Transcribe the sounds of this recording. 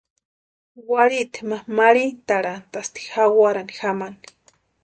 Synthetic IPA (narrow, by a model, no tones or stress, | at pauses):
waɾit̪ʰemamaɾint̪aɾant̪ast̪i̥xawaɾanixamani̥